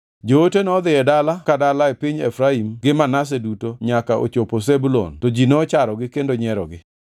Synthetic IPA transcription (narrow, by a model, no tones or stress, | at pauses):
d͡ʒootenɔd̪ɪɛdalakadalaepiɲḛfɾaimɡɪmanas̬edutoɲakaʔo̰t͡ʃoposebulo̰ntod͡ʒinɔːt͡ʃaɾɔɡɪkendoɲɛɾɔɡɪ